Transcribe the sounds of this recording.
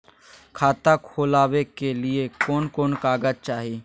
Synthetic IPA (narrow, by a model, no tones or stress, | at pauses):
kʰaːt̪akʰoːlaːwekelɪekɔːnkɔːnkaːɡəd͡ʒt͡ʃaːɦi